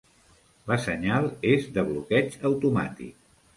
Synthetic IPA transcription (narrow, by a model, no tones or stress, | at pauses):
ləsəɲalˠezðəβ̞lukɛt͡ʃəwt̪uma̰t̪ḭk̚